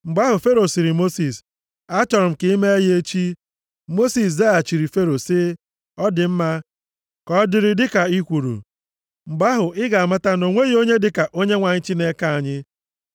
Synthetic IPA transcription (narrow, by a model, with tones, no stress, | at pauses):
ŋ͡m̩˨ɡ͡ba˦ɦʊ˨fe˦ɾo˨si˨ɾi˨mo˦si˨s | a˦t͡ʃɔ˨ɾʊ˨m̩˨kɪ˦i˦me˦e˦je˦t͡ʃi˦ | mo˦si˨s̬ze˦a˨t͡ʃi˨ɾi˨fe˦ɾo˨sɪ˦ | ɔ˦dɪ˨m̩˦ma˦ | kɔ˦dɪ˦˨ɾɪ˦˨dɪ˦ka˨i˦kʷu˨ɾṵ˨ | ŋ͡m̩˨ɡ͡ba˦ɦʊ˨ʔɪ˦ɡa˨a˨ma˦ta˦no˨ŋʷe˦ɣo˦ɲe˦dɪ˨ka˨ʔo˦ɲe˦ŋʷa˨ɲɪ˦t͡ʃi˦ne˦ka˦˨a˨ɲɪ˦